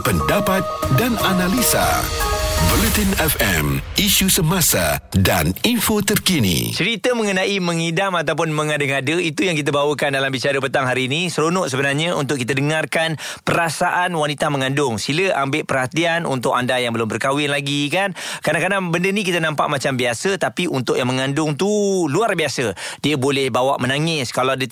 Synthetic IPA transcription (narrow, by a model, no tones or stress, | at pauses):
pəndapat̪̚dananalisa̰ | bɔlət̪inɛfɛ̰misusəmasa̰da̰ninfot̪ərkinḭt͡ʃəɾit̪əmə̃ŋənãʔimə̃ŋidamat̪̬awp̬ʊnmə̃ŋadəŋadəit̪ujaŋkit̪̬əbawəkandalambisiadəpət̪aŋɦaɾiːnisəɾonʊʔsəbənarɲaṵnt̪ʊkːit̪ədəŋarkan | pəɾasaʔanwanit̪amə̃ŋandʊŋsiləʔambeʔpərhat̪ianṵnt̪ʊkandajaŋbəlʊmbərkawɪnlaɡikankadaŋkadabəndənik̬it̪ənãmpa̰ʔmat͡ʃambiasət̪apiʔunt̪ʊʔjaŋməŋandʊŋt̪uluarbiasədiəbolɛhbawa̰ʔmənaŋɪskalawadə